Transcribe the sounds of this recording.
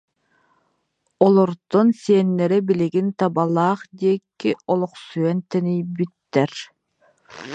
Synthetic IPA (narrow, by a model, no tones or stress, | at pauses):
ɔlˠɔɾd̪̥ɔnsiɛnːɛɾɛbiliɡint̪abalˠaːχd̪iɛkːiɔlˠɔqsyɛnt̪ɛnijbit̪ːɛɾ